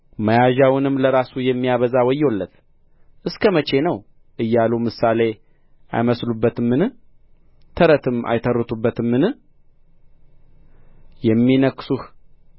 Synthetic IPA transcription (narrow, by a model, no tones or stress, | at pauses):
məjaʒawɨnɨmːləɾasujɛmːijaβəzawɔjːolːət̪ | ʔɨskʰəmət͡ʃe̞nəw | ʔɨjːalumɨsale̞ | ʔa̰jməslubːət̪ɨmːɨn | t̪ʰəɾət̪ʰɨmʔa̰jt̪ʰəɾːɨt̪ʰubːət̪ɨmːɨn | jɛmːinəkːsuh